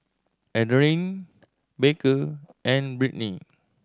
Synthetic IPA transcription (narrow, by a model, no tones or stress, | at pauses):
ʔɛdəɹĩn | bekəʔɛ̃nbɹiʔni